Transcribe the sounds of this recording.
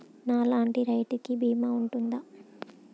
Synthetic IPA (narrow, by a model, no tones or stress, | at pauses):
naːlaːɳʈiɾɐjʈukibiːmaːuɳʈund̪a